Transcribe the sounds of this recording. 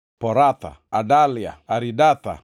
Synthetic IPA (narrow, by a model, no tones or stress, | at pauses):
poɾat̪a̰adalia̰ːɾidat̪a̰